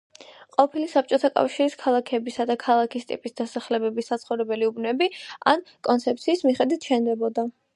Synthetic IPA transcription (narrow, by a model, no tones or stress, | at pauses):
qʼɔpʰilisap̚t͡ʃʼɔt̪ʰakʼa̰fʃiɾiskʰalˠakʰɛbisad̪akʰalˠakʰist̪ʼḭpʼisd̪asaχlɛbɛbisat̪sχɔvɾɛbɛliubnɛbia̰nkʼɔnt̪sʰɛp̚t̪sʰiːsmiχɛd̪wit̪ʰʃɛnd̪ɛbɔd̪a